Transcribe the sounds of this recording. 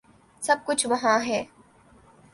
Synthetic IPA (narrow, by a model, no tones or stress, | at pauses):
sɐb̚kʊt͡ʃʰʋɐɦãɦɛː